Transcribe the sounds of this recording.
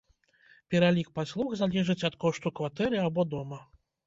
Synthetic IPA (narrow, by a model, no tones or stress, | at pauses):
pʲɛɾalʲik̚pasʲlˠuxzalʲɛʐɨt͡sʲɐt̪kɔʂt̪ukvat̪ɛɾɨabɔd̪ɔmɐ